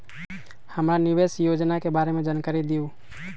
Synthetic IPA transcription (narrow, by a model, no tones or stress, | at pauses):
həmɾanɪʋeːsjoːd͡ʒnakebaːɾemẽd͡ʒaːnkaɾid̪ijoː